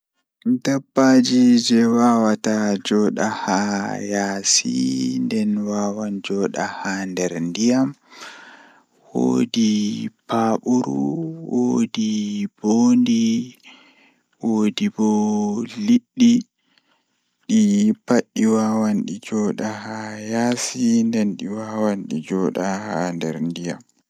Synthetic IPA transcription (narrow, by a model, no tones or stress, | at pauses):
dabːad͡ʒid͡ʒɛwaːwatad͡ʒɔɗa̰hajaːsḭndɛnwaːwand͡ʒɔːɗahandɛɾndijam | wo̰dipaɓuɾṵwodiboːndi | woːdibɔliɗːi | ɗipaɗːiwawanɗid͡ʒɔːɗahajasindɛnɗiwaːwanɗid͡ʒɔɗahandɛɾndija̰m